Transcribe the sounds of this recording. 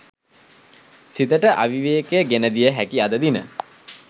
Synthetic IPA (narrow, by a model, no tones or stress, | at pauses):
sit̪əʈəʔaʋiʋeːkeɡenəd̪ijəɦækiad̪əd̪inə̰